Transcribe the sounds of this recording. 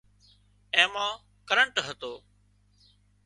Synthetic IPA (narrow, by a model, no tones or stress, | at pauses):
ɛ̃ːmãː | kəɾəɳʈɦət̪oː